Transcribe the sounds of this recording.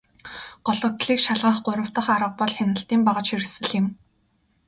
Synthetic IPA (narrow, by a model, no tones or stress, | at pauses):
ɢ̥ɔɮɞ̆kt̪ɮiːkʃaɮʁə̆ːχɢʊɾə̆w̥t̪ə̆χaɾə̆q̚pɔɮxʲanə̆ɬt̪iːmpaʁə̆t͡ɕxiɾsɘ̆ɮɪ̆m